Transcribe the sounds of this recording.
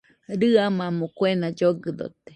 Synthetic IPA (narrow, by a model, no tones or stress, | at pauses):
ɾɨamamokwenad͡ʒoɡɨd̪o̰t̪e̥